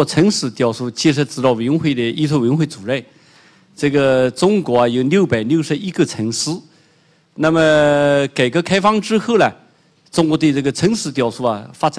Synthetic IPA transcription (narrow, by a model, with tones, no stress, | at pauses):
ɔ˥˩ʈ͡ʂʰə˧˥ŋʂɻ̩˧˥t̪jɑ˨˩ʊʂu˥˩t͡ɕʰi˧˥ʂɻ̩˧˥ʈ͡ʂɹ̩˧˩t̪ɑ˥˩ʊwə˧˥nxwe˥˩d̪ə˩i˥t͡s̪ʰwwə˧˥nxwe˥˩t͡su˨˩ɻə˥˩n | ʈ͡ʂɤ˥˩ɡə˩ʈ͡ʂʊ˥ŋkwɔ˧˥ɐ˧jo˧˩ʊljo˥˩ʊpa˨˩ɪljo˥˩ʊʂɻ̩˧˥i˥ɡə˧ʈ͡ʂʰə˧˥ŋʂɹ̩˥ | na˥˩mə˨ka˨˩ɪkə˧˥kʰa˥ɪfɑ˥ŋʈ͡ʂɻ̩˥xʰɤ˥˩lɐ˩ | ʈ͡ʂʊ˥ŋkwɔ˧˥t̪we˥˧ɪt͡sə˥˩ɡə˩ʈ͡ʂʰə˧˥ŋʂɻ̩˧˥t̪jɑ˧˩ʊʂu˥˩ɐ̰˨fa˥ʈ͡ʂa˨